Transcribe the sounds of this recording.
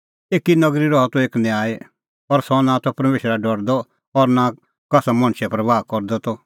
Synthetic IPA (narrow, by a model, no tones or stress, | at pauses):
eːkinɐɡɾiɾɔɦɔt̪ɔeːknɛ̃aːe | ɔɾsɔnãt̪ɔpɾɐmeːʃɾaɖɔɽd̪ɔ | ɔɾnã | kɐsamɐ̃ñʃɛpɾɐbaːkɔɾd̪ɔt̪ɔ